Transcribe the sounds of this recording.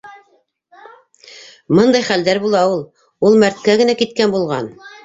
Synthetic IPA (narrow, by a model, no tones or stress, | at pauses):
mɤnd̪ɑjχæld̪æɾbulˠɑulˠ | ulˠmæɾt̪̚kæɡɘ̆nækit̪kænbulˠʁɑn